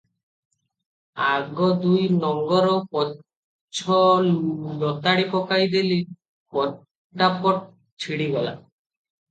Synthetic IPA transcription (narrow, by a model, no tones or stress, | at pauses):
aɡɔd̪ujnɔŋɡɔɾɔpɔ | t͡ʃʰɔ | lɔt̪aɽipɔkajd̪eli | pɔ | ʈːapɔʈ̚ | t͡ʃʰiɽiɡɔla̰